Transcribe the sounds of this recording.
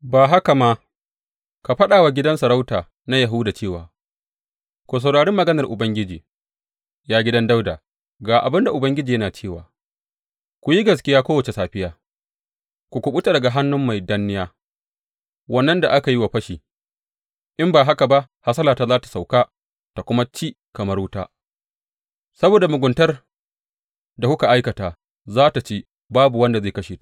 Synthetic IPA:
baː˨ɦa˦ka˨ma˦ | ka˨ɸɐ˦ɗaː˨wa˨ɡʲɪ˦dɐ˦nsɐ˨ɾa˦wtaː˨ | na˦jɐ˨ɦu˦daː˨t͡ʃeː˦˨waː˨ | kʷo˨s̬a˨wɽaː˨ɽɪ˦mːɐ˨ɡɐ˦nɐ˨rʔʊ˨bɐ˦ŋɡʲɪ˦d͡ʒiː˨ | jaː˦ɡʲɪ˦dɐ˦nda˦wda̰ː˨ | ɡaː˨ʔa̰˨bɪ˦nda˨ʔʊ˨bɐ˦ŋɡʲɪ˦d͡ʒiː˨jɐ˦naː˨t͡ʃeː˦˨wa̰ː˨ | kʷu˨ji˦ɡɐ˨skʲɪ˦jaː˦kʷoː˦wɐ˨t͡ʃe˨saː˨ɸɪ˦jaː˦ | kʷu˨kʷʊ˨ɓu˦ta˨dɐ˨ɡa˨ɦa˦nːʊ˦mːa˨jda˦nːɪ˦jaː˦ | wɐ˦nːɐ˦nda̰˨ʔa˦ka˨ji˦wa˨ɸɐ˦ʃiː˨ | ʔɪ˦mbaː˨ɦa˦ka˨ba˦ʔ | ha˦sɐ˦laː˨taː˦zaː˦ta˨sa˨wkaː˦ | ta˨kʷʊ˦ma˦t͡ʃiː˦ | kɐ˨mɐ˦rwʊ˦taː˦ | sɐ˦boː˨da˨mʊ˨ɡʷʊ˨ntɐ˦r | da˨kʷʊ˦ka˨ʔa˦jkɐ˨taː˨ | zaː˦ta˨t͡ʃeː˦ | baː˦bu˨wɐ˦nda˨zeː˦˨kɐ˦ʃeː˨t

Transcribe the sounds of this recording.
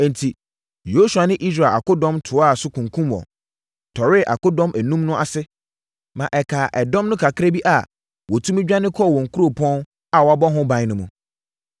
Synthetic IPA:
ɛ̃˨n̩˨tʰi˨ | jo˦su˨a˨nɪ̃˦ʔi˦s̬ɾa˨a̰˨kʊ˦dɔ̃˦mtʰʊ˨˦a˦˨sʊ˦kʰũ˨ŋkʰũ˦mwɔ̰˨ | tʰɔ˨ɾɪ˦ʔa̰˨kʊ˦dɔ̃˦mʔæ˨nũ˦mnʊ̃˦ʔa˨sɪ˦ | mã˨ʔɛ˨kʰaː˨ʔɛ˨dɔ̃˦mnʊ̃˦kʰa˨kʰɪ˦ɾe˦bi˦ʔa˨ | wɔ˨tʰũ˦mɪ̃˦d͡ʑᶣa˦nɪ̃˦kʰɔ˦˨wɔ̃˨ŋ̩˨kʰu˦ɾo˨pʰɔ̃˦n | a˨wɔ˨a˨bɔ˦ɦʊ̃˦bã˨ɲ˦nʊ̃˨mũ˨

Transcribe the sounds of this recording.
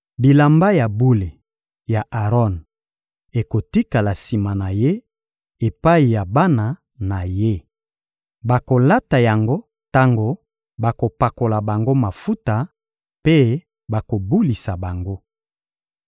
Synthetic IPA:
bi˨la˨mba˦ja˨bu˦le˨ | ja˨ʔa˨ʁɔ˦˨n | e˨ko˨ti˦ka˨la˨si˨ma˨na˨je˦ | e˨pa˦i˨ja˨ba˦na˨ | na˨je˦ | ba˨ko˨la˦ta˨ja˨ŋɡo˦ | ta˦ŋɡo˨ | ba˨ko˨pa˨ko˨la˨ba˨ŋɡo˦ma˨fu˦ta˨ | pe˦ | ba˨ko˨bu˦li˨sa˨ba˨ŋɡo˦

